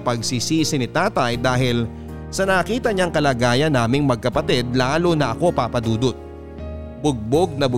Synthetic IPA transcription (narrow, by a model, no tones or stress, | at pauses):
pɐɡsisiːsɪnɪt̪aːt̪ɐjd̪aːɦɪl | sɐnɐɐkiːt̪ɐɲaŋkɐlaːɡaːjɐnːaːmɪŋmɐɡ̚kɐpɐt̪ɛd̪̚laːlonɐʔɐko̞papɐd̪uːd̪ot̪̚ | b̥ʊɡ̚boɡ̚nɐbʊ